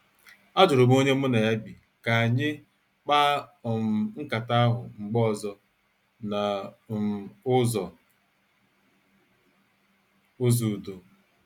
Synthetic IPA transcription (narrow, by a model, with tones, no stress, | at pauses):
a˦d͡ʒʊ˨ɾʊ˨bo˦ɲe˦m̩˦ʊ˦ne˨ja˦ɡ͡bi˨ | ka˨a˨ɲɪ˦ | k͡pa˦˨m̩˨ŋ͡m̩˦ka˨ta˦a˦ɦʊ̰˨ŋ͡m̩˨ɡ͡bɔ˦˨zɔ˨ | na˨ | ʊ˦zɔ˨ | ʊ˦zu˨do˨